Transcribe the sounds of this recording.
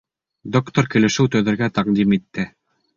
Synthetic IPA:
d̪okt̪oɾkɘ̆lɘ̆ʃɘwt̪ɵ̆ðɘ̆ɾɡæt̪ɑqd̪imit̪ːɘ

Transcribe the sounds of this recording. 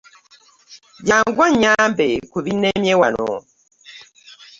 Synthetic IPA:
ɟaŋɡwaɲambɛkuβinɛmjɛwanɔ̰

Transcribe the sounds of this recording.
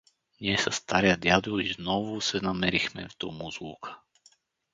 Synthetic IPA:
ɲɪɛsast̪aɾɪad̪jad̪uiznɔʋusɛnamɛɾixmɛ̰ft̪ɔmuzukʰḁ

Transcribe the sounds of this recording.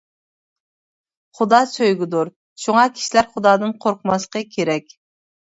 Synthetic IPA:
χʊd̪ɑːsøjɡʲid̪uɾ | ʃuŋɑkʲʰi̥ʃilæɾχʊd̪ɑːd̪ɨnqʰoɾqʰəmɑsqəkʲʰeɾɛkʲ

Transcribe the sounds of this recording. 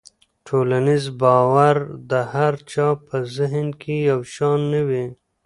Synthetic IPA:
ʈʰoːlanizbɑːwaɾd̪əhaɾt͡ʃɑpʰəzɪɦnkʰijawʃɑːnːəwi

